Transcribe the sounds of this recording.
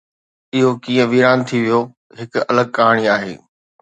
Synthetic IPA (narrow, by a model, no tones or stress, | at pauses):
ɪɦokĩːə̃ʋiːɾaːnt̪ʰiʋijo | ɦɪkʊɐ̰ləɡ̚kaːɽ̃iaːɦḛː